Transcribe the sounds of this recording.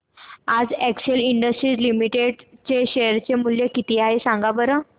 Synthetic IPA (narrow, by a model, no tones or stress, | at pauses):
ad͡zɛkseliɳɖəsʈɾiːd͡zlimiʈeɽt͡ɕeɕejəɾt͡ɕemuljekit̪iaɦesãŋɡabəɾə